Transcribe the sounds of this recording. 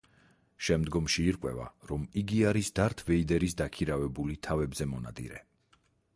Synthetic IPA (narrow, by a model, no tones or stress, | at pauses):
ʃɛmd̪ɡɔmʃiːɾkʼwɛ̰va̰ɾɔmiɡiaɾisd̪aɾt̪ʰvɛid̪ɛɾisd̪akʰiɾavɛbulit̪ʰavɛbzɛmɔna̰d̪ḭɾɛ